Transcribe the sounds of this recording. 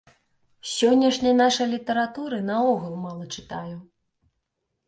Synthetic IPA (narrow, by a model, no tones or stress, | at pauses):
sʲɔnʲːɐʂnʲɐjnaʂɐjlʲit̪ɐɾat̪uɾɨnɐɔɣulˠmalˠɐt͡ʂɨt̪aju